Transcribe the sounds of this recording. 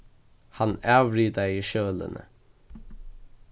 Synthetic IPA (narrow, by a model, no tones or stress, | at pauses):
hanæːʋɾiːd̪aiʃøːlə̰nʔə̰